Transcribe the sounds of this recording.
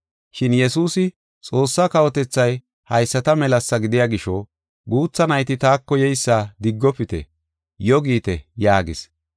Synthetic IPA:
ʃɪnjɛsuːsɪ | t͡sʼo̞ːsːakɐwɔt̪ɛt͡sːɐj | hɐjsːɐt̪ɐmɛlɐsːɐɡɪd̪ɪjaɡɪʃɔ | ɡuːt͡sːɐnɐjt̪ɪt̪aːkːɔjɛjsːaːd̪ɪɡːɔpɪt̪ɛ̰ | jɔɡiːt̪ɛjaːɡɪs

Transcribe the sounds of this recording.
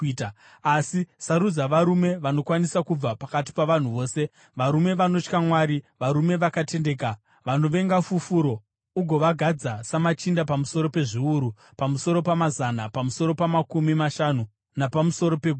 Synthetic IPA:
asisaɾud͡zaʋaɾume̞ʋano̞kwanisakub͡vapakat̬i̥paʋan̤uʋo̞ːse̞ | ʋaɾume̞ʋano̞t͡ʃkamwaːɾiʋaɾume̞ʋakate̞ndeka | ʋano̞ʋe̞ŋɡafufuɾo̞ | uɡʱo̞ʋaɡʱad͡zasamat͡ʃindapamuso̞ɾo̞pe̞ʐiuɾu | pamuso̞ɾo̞pamazanapamuso̞ɾo̞pamakumimaʃanu | napamuso̞ɾo̞pe̞ɡʱu

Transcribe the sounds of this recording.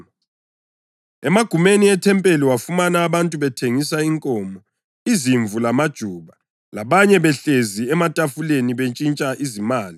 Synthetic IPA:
ɛmaɡ̥ʱumeniɛtʰɛmpʼeliwafumanaːβantʼuβɛtʰeŋisaiŋkʼɔːmɔ | iziɱvulamad̥ʒ̥ʱuːβa | laβaɲɛβɛɬeziɛmatʼafuleniβet͡ʃʼint͡ʃʼaʔizimaːli

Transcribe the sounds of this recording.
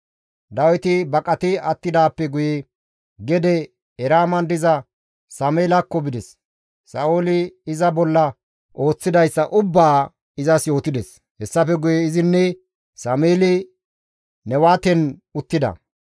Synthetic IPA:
d̪ɐwɪt̪ɪbɐkʼɐt̪ɪɐt̪ːɪd̪aːpːɛɡʊjɛ | ɡɛd̪ɛ | ɛɾaːmɐnd̪ɪzɐ | sɐmeːlɐkːɔbɪd̪ɛs | sɐʔolɪːzɐbɔlːɐ | o̞ːt͡sːɪd̪ɐjsːɐʔʊbːaː | ɪzɐsjo̞ːt̪ɪd̪ɛs | hɛsːɐfɛɡʊjɛɪzɪnːɛ | sɐmeːlɪ | nɛwaːt̪ɛnʊt̪ːɪd̪ɐ̰

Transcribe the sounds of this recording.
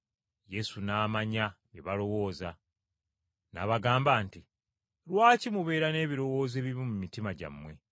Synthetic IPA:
je̞sunaːmaɲaβeβalo̞wo̞ːza | na̰βaɡaːmbaːnti | lwaːcimuβe̞ːɾane̞ːβiɾo̞wo̞ːzeβiβimumitimaɟa̰mwe̞

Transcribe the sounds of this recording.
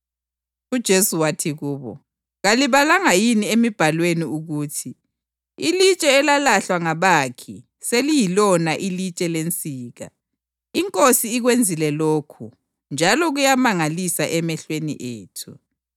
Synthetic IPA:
ud̥ʒ̥ʱesuwatʰiɣuːβɔ̰ | ɣaliβalaŋajiniemib̥ʱalweniuɣuːtʰi | ilit͡ʃʼɛːlalaɬwaŋaβaːkʰi | selijilɔnaʔilit͡ʃʼɛlent͡sʼiːɣa̰ | iŋkʼosiːɣwend͡zʱilɛloːkʰu | nd͡ʒʱalɔɣujamaŋalisaʔɛmɛɬwenḭʔeːtʰu

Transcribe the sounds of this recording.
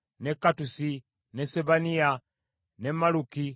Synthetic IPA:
nɛkatusi | nɛsɛbania | nɛmaluki

